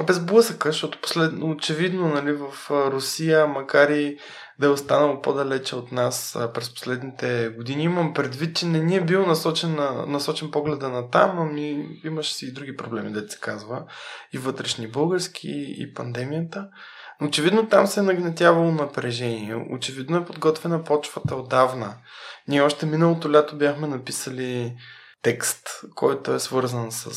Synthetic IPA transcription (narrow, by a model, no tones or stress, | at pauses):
bɛzblˠɤsəkəʃt̪ɔt̪ʊ̥po̥slɛd̪noːt͡ʃɛvid̪nonɐlivəfɾʊsijəmɐkaɾi | d̪ɐɛost̪anɐlˠopod̪ɐlɛt͡ʃɛot̪naspɾɛspo̥slɛd̪nit̪ɛɡod̪iniiməmpɾɛd̪vit̪̚t͡ʃɛnɛniɛbilˠnɐsɔt͡ʃɛnnɐsɔt͡ʃɛnpɔɡlɛd̪ənɐt̪amɐmiiməʃɛ̥siid̪ɾuɡʲipɾoblɛmid̪ɛt̪sɛ̥kazvəivɤt̪ɾɛʃnibɤlˠɡəɾsk̟ʰḭḭpɐnd̪ɛmijət̪ə | noːt͡ʃɛvid̪not̪amsɛnɐɡnɛt̪ʲjavɐlˠonɐpɾɛʒɛniɛ̰o̰t͡ʃɛvid̪noɛpod̪ɡɔt̪vɛnɐpɔt͡ʃvət̪əod̪avnənʲiɛɔʃt̪ɛminəlˠot̪olʲɛt̪obʲjaxmɛnɐpisəli | t̪ɛkst̪kʰɔjt̪oɛsvɤɾzənsə̰